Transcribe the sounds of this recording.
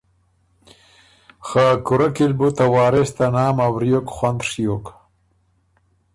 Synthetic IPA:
xaːkʊɾakilbut̪awɑːɾest̪anaːmawɾijokxwand̪ʂijok

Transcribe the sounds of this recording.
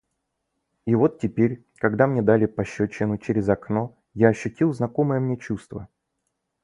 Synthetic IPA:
ivo̞t̪tʲːɪpʲeɾʲ | kɐɡd̪amnʲe̞d̪alʲɪpɐɕːɵt͡ɕːɪnʊt͡ɕɪɾʲɪzɐkno̞ | jaɐɕːʉtʲilˠznɐko̞mɨjəmnʲe̞t͡ɕust̪və

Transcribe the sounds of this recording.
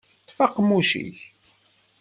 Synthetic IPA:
t̪ːfɑqːmuʃḭç

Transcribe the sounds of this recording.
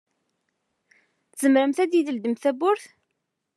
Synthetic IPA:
θzəmɾəmθæd̪jid̪əld̪əmθæbʊɾθ

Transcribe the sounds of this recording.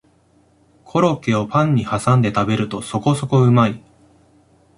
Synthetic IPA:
kʰo̞ɾo̞ke̞o̞pãɲ̟ːihasãnd̪e̞t̪abe̞ɾɯ̟t̪o̞so̞ko̞so̞ko̞ɯ̟mai

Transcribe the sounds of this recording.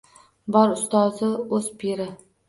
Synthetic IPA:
bɒɾʊst̪ɒzɪɵzpʰiɾɪ

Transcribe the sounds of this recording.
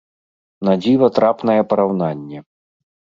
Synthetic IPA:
nad͡zʲivɐt̪ɾapnɐjɛpɐɾawnanʲːɛ

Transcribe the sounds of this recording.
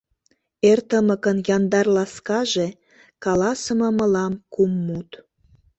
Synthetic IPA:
ert̪əmə̆kənjɑnd̪ɑrlɑskɑʒe | kɑlɑsəmə̆mə̆lɑmkumːut̪

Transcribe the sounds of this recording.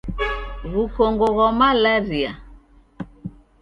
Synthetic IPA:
βukɔŋɡɔɣɔmalaɾia

